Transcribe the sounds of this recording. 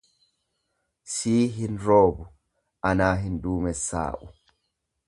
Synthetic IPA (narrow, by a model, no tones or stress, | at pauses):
siːɦɪnɾoːbʊ | ʔɐnaːɦɪnd̪uːmɛsːa̰ːʔʊ